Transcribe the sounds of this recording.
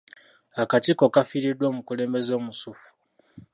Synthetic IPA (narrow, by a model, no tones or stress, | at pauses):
akatiko̞kafiɾidwo̞ːmukule̞ːmbe̞zo̞ːmusufu̥